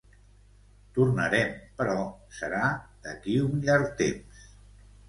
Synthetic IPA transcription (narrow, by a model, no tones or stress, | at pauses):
t̪urnəɾɛmpəɾɔsəɾad̪əkiunʎaɾk̚t̪ems